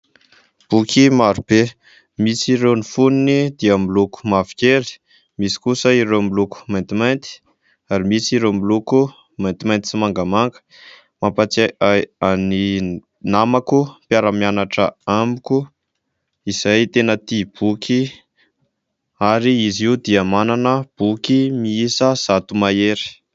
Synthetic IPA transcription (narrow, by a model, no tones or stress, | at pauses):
b̥ukʰimaɾub̥e | misiɾewnifuninid̪iəmiluku̥mavi̥keɾi̥ | misi̥kusəiɾewmiluku̥majnt̪imajnt̪i̥ | aɾimisiɾemiluku | majnt̪imajnt̪i̥simaŋɡəmaŋɡə̥ | mampat͡saaani | namakupjaɾəmianaʈ͡ʂəamuku | iz̥ajt̪enət̪ib̥ukʰi | aɾiiziud̪iəmananəb̥ukimiisəz̥at̪umaeɾi̥